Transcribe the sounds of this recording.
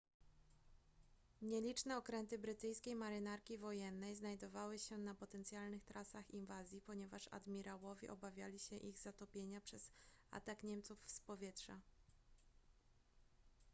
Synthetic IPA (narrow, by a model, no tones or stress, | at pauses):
ɲɛlʲit͡ʂnɛɔkɾɛnt̪ɘbɾɘt̪ɘjskʲejmaɾɘnaɾkʲivɔjɛnːɛjznajd̪ɔvawɘɕɛnapɔt̪ɛnt̪sʲjalnɘxt̪ɾʔasaxinvazʲjipɔɲɛvaʂa̰d̪mʲiɾawɔvʲɛ̰ʔɔbavʲjalʲiɕɛʔiɣzat̪ɔpʲjeɲapʂɛza̰t̪akɲɛmt̪sufspɔvʲjɛtʂa